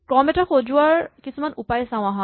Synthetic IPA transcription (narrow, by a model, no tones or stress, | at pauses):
kɔmɛtaɹxod͡ʒʊaɹkisumanupajsãw̃aɦɔ̃